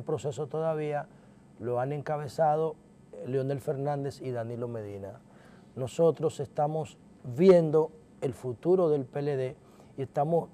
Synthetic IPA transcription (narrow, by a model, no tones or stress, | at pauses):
pɾo̞se̞so̞t̪o̞ðaβ̞ia | lo̞ane̞ŋkaβ̞e̞saðo̞ | leo̞ne̞lfe̞ɾnãnd̪e̞siðanilo̞me̞ðina | no̞so̞t̪ɾo̞sest̪amo̞s | βje̞nd̪o̞ | elfut̪uɾo̞ðe̞lpeleðe̞ | ie̞st̪amo̞s